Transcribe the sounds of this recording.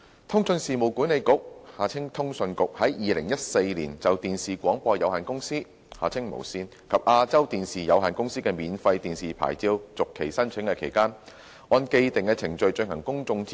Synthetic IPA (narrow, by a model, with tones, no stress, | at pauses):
t̪ʰʊ˥ŋsɵ˧nsiː˨mo˨˩wkuː˨˥nle˨˧jkʊ˨k̚haː˧t͡sʰɪ˥ŋt̪ʰʊ˥ŋsɵ˧nkʊ˨k̚hɐ˨˥jjiː˨˧lɪ˨˩ŋjɐ˥t̚se˧jliː˨˩nt͡sɐ˨wt̪iː˨nsiː˨˩kʷɔː˨˥ŋpɔː˧jɐ˨˧whaː˨˩nkʊ˥ŋsiː˥ | ha̰ː˨˩t͡sʰɪ˥ŋmo̰˨˩wsiː˧n | kʰɐ˨p̚ʔaː˧t͡sɐ˥wt̪iː˨nsiː˨jɐ˨˧wɦaː˨˩nkʊ˥ŋsiː˥kɛː˧miː˨˧nfɐ˧jt̪iː˨nsiː˨˩pʰa̰ː˨˩jt͡siː˧wt͡sʊ˨kʰːe˨˩jsɐ˥nt͡ʃʰɪ˨˥ŋkɛː˧kʰe˨˩jkaː˥n | ʔɔː˧nke˧jt̪ɪ˨ŋkɛː˧t͡sʰɪ˨˩ŋt͡ʃɵ˧ɥt͡ʃɵ˧nhɐ˨˩ŋkʊ˥ŋt͡sʊ˧ŋt͡s